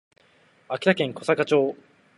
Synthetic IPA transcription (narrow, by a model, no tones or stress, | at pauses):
akʲiɾakẽ̞ŋko̞sakat͡ɕo̞ː